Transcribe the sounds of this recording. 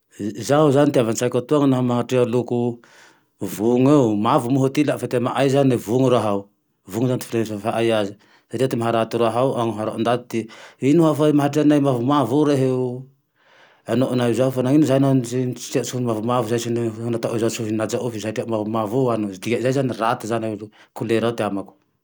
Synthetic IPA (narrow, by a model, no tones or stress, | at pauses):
zauzant̪iavansajkot̪uaŋanamaɦatealuku | vuŋewmavumuɦot̪ilaʔfat̪emaʔajzanevuŋuɾoaɦaw | vuŋzant̪i̥fleafaʔajazi | satiat̪imaɦaɾat̪uɾoaɦawaŋoɦaɾoʔond̪at̪t̪iinuafajmaɦaʈ͡ʂianajmavumavuɾeɦew | anoʔnajzaufanaŋinzajnansiiasuhnmavumavuzajsinnat̪aʔozasuɦinad͡ʒaʔufizaʈ͡ʂiamavumavuanudiɡaʔzajzanirat̪azanekuleɾawt̪eamaku̥